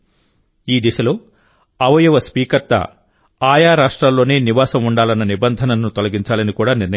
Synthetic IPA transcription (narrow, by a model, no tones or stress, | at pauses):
iːd̪iʃɐloː | ɐʋɐjuʋɐspiːkɐɾt̪ɐ̰ | aːjaːɾaːʂʈɾalːo̞ːneːniʋaːsɐmuɳɖaːlɐnːɐnibɐnd̪ʱɐnɐnːut̪ɔlɐɡiɲt͡ʃaːlɐnikuːɽaːniɾnɐ